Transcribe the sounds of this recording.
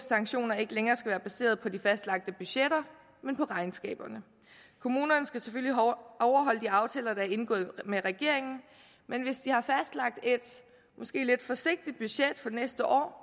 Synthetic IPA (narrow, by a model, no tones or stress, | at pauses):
sɑ̈ŋɡ̥ɕo̝̰ːnɐe̝ɡ̥əleŋɐːsɡ̥æʋæːɐb̥æse̝̰ːɐð̞̩ˠpʰɒ̽d̥ifæsd̥lɑ̈ɡ̥̚d̥əb̥yɕeɾ̥ɐ | menpʰɒ̽ʁɑ̈ɪnsɡ̥ɛ̰ːb̥ɐnə | kʰo̝muːnɐnəsɡ̥æseføl̰liʔɒʊɐɦɒ̽l̰əd̥iɑ̈ʊt͡sʰɛːlɐd̥ɑ̈æɐe̝nɡ̥ɔ̰̽ːð̩ˠmeʁɛɡ̥e̝ɐ̰e̝ŋn̩ | menʋe̝sd̥ihɑ̈fæsd̥lɑ̈ɡ̥̚d̥e̝d̥ | mʔɒ̽sɡ̥e̝̰ːle̝d̥fɒ̽se̝ɡ̥̚d̥id̥̚b̥yɕed̥fɒ̽nesd̥əʔɒ̰ː